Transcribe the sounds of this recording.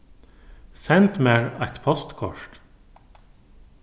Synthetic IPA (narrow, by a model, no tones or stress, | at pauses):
sɛnt̪meːɹɑɪt̪pʰɔst̪kʰɔ̰ʃʈ